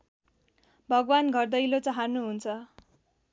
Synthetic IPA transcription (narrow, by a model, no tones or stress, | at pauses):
bʱʌɡwanɡʱʌrd̪ʌjlot͡sʌɦarnuɦunt͡sʰʌ